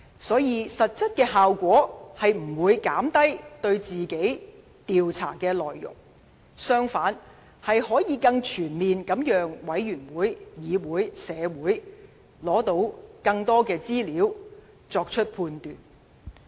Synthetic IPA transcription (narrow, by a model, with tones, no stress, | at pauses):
sɔː˨˥jiː˧sɐ˨t̚t͡sɐ˥t̚kɛː˧ɦaː˨wkʷɔː˨˥hɐ˨jm̩˨˩wuː˨˧jkaː˨˥mt̪ɐ˥jt̪ɵ˧ɥt͡siː˨ke˨˥j | t̪iː˨wt͡sʰa̰ː˨˩kɛː˧lɔː˨˩jːʊ̰˨˩ŋ | sœː˥ŋfaː˨˥n | hɐ˨jhɔː˨˥jiː˨˧kɐ˧ŋt͡ʃʰyː˨˩nmiː˨nkɐ˨˥mjœː˨˧ŋwɐ˨˥jjyː˨˩nwuː˨˥jjiː˨˧wuː˨˥jsɛː˨˧wuː˨˥j | lɔː˨˥t̪o˧˥wkɐ˧ŋt̪ɔː˥kɛː˧t͡siː˥liː˨˥w | t͡sɔː˧k̚t͡ʃʰɵ˥t̚pʰuː˧nt̪yː˨˩n